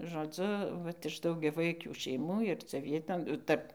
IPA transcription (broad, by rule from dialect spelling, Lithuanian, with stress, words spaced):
ʒoːˈd͡zʊ ˈʋɐt ɪʃ dɐʊɡʲɛˈʋɐɪkʲuː ʃʲɛɪˈmuː ɪr t͡sʲɛ ˈʋʲiɛtoːn ˈtɐrp